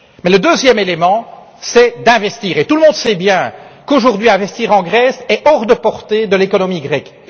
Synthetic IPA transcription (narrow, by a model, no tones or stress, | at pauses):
mɛləd̪øːzjɛmelemɑ̃ | sɛd̪ɛ̃vɛst̪iːʁet̪uləmɔ̃d̪sɛbjɛ̃koʒuʁd̪ɥiɛ̃vɛst̪iːʁɑ̃ɡʁɛsɛʔɔʁd̪əpɔʁt̪ed̪əlekɔnɔmiɡʁɛk